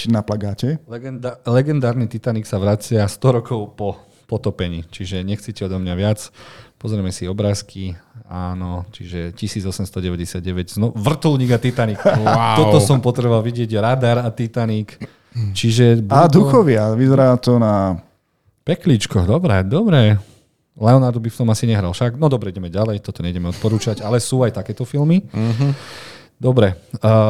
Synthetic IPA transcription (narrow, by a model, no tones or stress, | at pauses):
t͡ʃnaplaɡaːcɛnlɛɡɛnd̪aːɾnit̪it̪aniksaʋɾat͡sɪast̪ɔɾɔkɔʊpɔ | pɔt̪ɔpɛɲit͡ʃiʒɛɲɛxt͡sicɛɔd̪ɔmɲaʋɪat͡spɔzɾɛmɛsiɔbɾaːskʰiaːnɔt͡ʃiʒɛcisiːd͡zɔsɛmst̪ɔɟɛʋɛɟɛsɪad̪̚ɟɛʋɛɟznɔuʋr̩t̪ulɲiːɡat̪it̪aniːkaɔt̪ɔsɔmpɔt̪ɾɛbɔʋalʋiɟɪɛɟɾad̪aɾat̪it̪anik | t͡ʃiʒɛbad̪uxɔʋɪaʋizɛɾaːt̪ɔna | pɛkliːt͡ʃkɔd̪ɔbɾɛd̪ɔbɾɛ | lɛɔnaɾd̪ɔbift̪ɔmasiɲɛɦɾalfʃaɡnɔd̪ɔbɾɛiɟɛmɛɟalɛjt̪ɔt̪ɔɲɛɟɛmɛɔt̪̚pɔɾuːt͡ʃaɟalɛsuːajt̪akɛːt̪ɔfilmiɦ | d̪ɔbɾɛ